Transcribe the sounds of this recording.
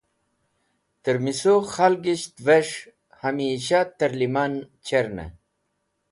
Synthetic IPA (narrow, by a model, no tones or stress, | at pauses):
t̪əɾmisoxalɡiɕt̪veʂ | hɐmiɕat̪ɐɾliman | t͡ɕʰeɾnḛ